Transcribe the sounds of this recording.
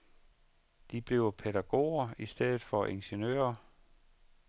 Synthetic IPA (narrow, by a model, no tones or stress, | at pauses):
d̥ib̥le̝ʊpʰeɾæɡ̥o̝̰ːɐisd̥eð̰ˠð̩ˠfɒ̽ʔe̝nɕenø̰ːɐ